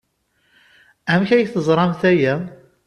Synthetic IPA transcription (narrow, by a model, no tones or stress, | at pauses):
æmçæjθəzˤɾˤɑmθæjæ